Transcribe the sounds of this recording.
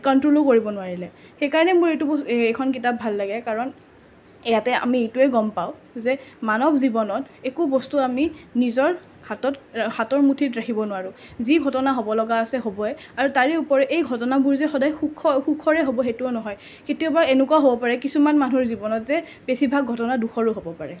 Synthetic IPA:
kɔntɹolokoɹibɔnʊaɹilɛ | xejkaɹɔnɛmʊɹejtubɔekʰɔnkitap̚bʱalːaɡɛkaɹɔn | ejatɛa̰miejtuɛɡɔmpaʊzɛmanɔbzibɔnɔtekubɔstuaminizɔɹ | hatɔthatɔɹmutʰitɹakʰibɔnʊwaɹʊ | ziɡʱɔtɔnaɦobɔlɔɡaːsɛɦobɔɛ | aɹutaɹɛupɔɹɛʔejɡʱɔtɔnabuɹzɛxɔdajxukʰɔxukʰɔɹɛɦobɔxetuɔnɔɦɔj | ketiɔbaenʊkuaɦobɔpaɹɛkisumanmanuɹzibɔnɔtzɛ | b̥esibʱaɡ̚ɡʱɔtɔnaduxʰɔɹuɦobɔpaɹɛ

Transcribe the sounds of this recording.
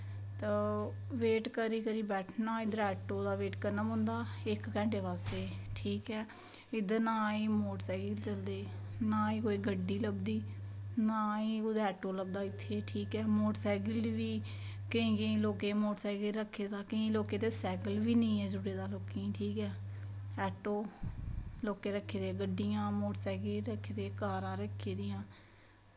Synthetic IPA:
t̪əː | ʋeːʈkəɾiːkəɾiːbɛːʈʰnaːɪd̪əɾɛːʈːoːd̪aːʋeːʈkəɾnaːbʊ̃nd̪aːɪkkɛ̃ːɳʈeːʋaːseːʈʰiːkɛː | ɪd̪ənaːĩːmoːʈsɛːɡəlt͡ʃəld̪eːnaːĩːkoːiːɡʱəɖiːləbd̪iːnaːĩːʊd̪ɛːʈːoːləb̚d̪aːɪt̪ʰːeːʈʰiːkɛːmoːʈsɛːɡəlʋiː | kəĩːkəĩːloːkeːmoːʈsɛːɡɾəkʰːeːd̪aːkəĩːloːkeːd̪eːsɛːɡəlʋiːnĩːɛːd͡ʒʊɽeːd̪aːloːkẽːʈʰiːkɛː | ɛːʈoː | loːkeːɾəkʰːeːd̪eɡəɖijãːmoːʈsɛːɡeːɾəkʰːeːd̪eːkaːɾãːɾəkʰːeːd̪ɪjãː

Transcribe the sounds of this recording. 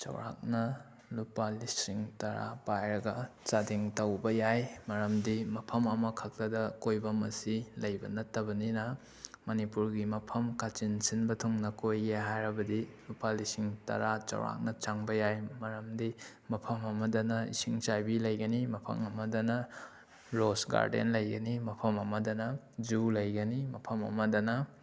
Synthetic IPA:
t͡ʃɐ̰wɾa̰k̚nɐ | lupalisiŋtɐɾa̰pajɾɐɡɐt͡ʃadiŋtɐwbɐjajmɐɾɐmdimɐpʰɐmɐmɐkʰɐk̚tɐdɐkojbɐmɐsilɐjbɐnɐtːɐbɐninɐ | mɐnipuɾɡimɐpʰɐmkat͡ʃinsinbɐtʰuŋnɐkojeɦajɾɐbɐdilupalisiŋtɐ̰ɾat͡ʃɐ̰wɾa̰k̚nɐt͡ʃaŋbɐjajmɐɾɐmdi | mɐpʰɐmɐmɐdɐnɐḭsiŋt͡ʃajbilɐjɡɐnimɐpʰɐ̰mɐmɐdɐnɐ | ɾosɡa̰ɾdḛnlɐjɡɐnimɐpʰɐmɐmɐdɐnɐ | d͡ʒulɐjɡɐnimɐpʰɐmɐ̰mɐdɐnɐ

